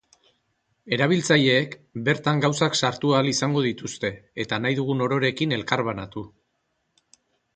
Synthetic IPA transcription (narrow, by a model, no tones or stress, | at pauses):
e̞ɾaβ̞ilt͡saʎe̞ːkbe̞ɾt̪aŋɡawsaksaɾt̪uaːlisaŋɡo̞ðit̪ust̪e̞ːt̪anajðuɣuno̞ɾo̞ɾe̞kine̞lkaɾβanat̪u